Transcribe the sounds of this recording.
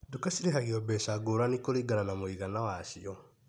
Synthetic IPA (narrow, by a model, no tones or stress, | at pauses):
dukasiɾeɦaɣeɔbɛsaɡoɾanikoɾiɡananamoiɣanawaːɕiɔ